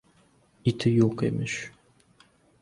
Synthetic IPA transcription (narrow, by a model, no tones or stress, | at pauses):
it̪ʰijokḛmiʃ